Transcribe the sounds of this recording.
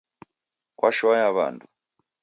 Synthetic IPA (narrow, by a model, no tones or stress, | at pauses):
kwʔaʃuajaβa̰ndu